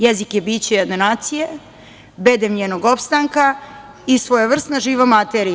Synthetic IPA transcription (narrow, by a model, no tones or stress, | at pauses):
jezikjebiːt͡ɕejad̪nenaːt̪sije | bed̪emɲenoɡopst̪aŋka | isʋojaʋr̩st̪naʒiːʋamat̪eɾi